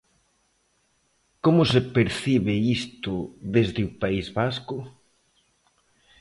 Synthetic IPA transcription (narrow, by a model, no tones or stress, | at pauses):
komʊsepeɾθiβɪist̪ʊðezðɪupaizβaskʊ